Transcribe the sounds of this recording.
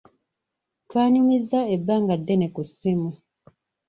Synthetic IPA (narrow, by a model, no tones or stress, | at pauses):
twaːɲumizaebːaːŋɡadːenekusimu